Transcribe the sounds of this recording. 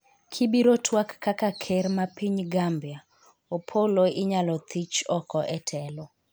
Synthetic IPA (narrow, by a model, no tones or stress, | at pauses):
kʰibiɾotʰwakːakakʰɛrmapiɲɡambja | opʰoloɪɲalɔt̪it͡ʃɔkɔʔɛtʰɛlɔ